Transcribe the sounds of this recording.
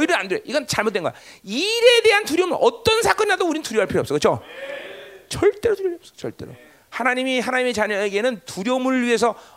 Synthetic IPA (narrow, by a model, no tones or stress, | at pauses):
ʌiɾɯɾandɯɾeʔiɡʌnt͡ɕaɭmot͈weŋɡʌja | iɾe̞de̞ɦantuɾjomɯʔʌt͈ʌnsʰak͈ʌnd͡ʑadouɾinɯntuɾjoɦaɭpʰiɾoʌps͈ʌkɯt͡ɕʰo | t͡ɕʌɭt͈e̞ɾotujooʌp̚s͈ʌ̥t͡ɕʌ̰ɭt͈e̞ɾo̰ | hanaɲimiɦanaɲime̞t͡ɕaɲʌeɡe̞nɯntuɾjomɯɭɥiɦe̞sʰʌ